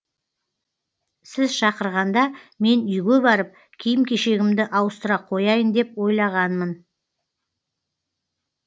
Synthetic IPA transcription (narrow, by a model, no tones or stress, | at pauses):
sɪzʃɑqəɾʁɑnd̪ɑme̞nʏjɡʲe̞bɑɾəp̚ | kʲʰijɪmkʲʰe̞ʃe̞ɡʲɪmd̪ɪʔɑwəst̪əɾɑqʰo̞jɑjənd̪e̞pwo̞jlˠɑʁɑnmən